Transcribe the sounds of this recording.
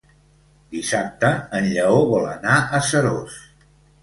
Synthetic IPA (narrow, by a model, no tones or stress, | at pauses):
d̪isap̚t̪əːnʎəoβɔlə̰naʔəsəɾos